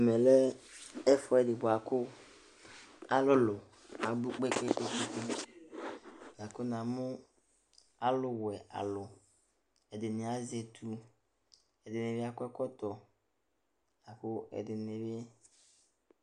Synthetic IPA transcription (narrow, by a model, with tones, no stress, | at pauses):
ɛ˨mɛ˨lɛ˦ɛ˦fɔ˦ɛ˨dɪ˨bʊ˨a˨kʊ˦ | a˦lʊ˦lʊ˨ | a˨ɡ͡bu˦k͡pe˦k͡pe˦ʔo˨ku˦tu˦ | n˨ã˨kʊ˦nã˨mʊ̃˦ | a˦lʊ˨wʊ˨ɛ˨a̰˨lʊ˨ | ɛ˨dɪ˨nɪ̃˨a˨zɛ˨tʰu˦ | ɛ˨dɪ˨nɪ̃˨bɪ˦a˦kʊ˦ɛ˦kɔ˦t̪ɔ˨ | na˨kʊ˦ɛ̰˨dɪ˨nɪ˨bɪ˦